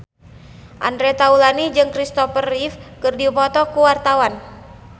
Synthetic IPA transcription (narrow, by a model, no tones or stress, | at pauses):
ʔa̰ndɾɛt̪aulanid͡ʒɨŋkɾist̪ɔfərifkɨrdipɔt̪ɔkuwart̪awan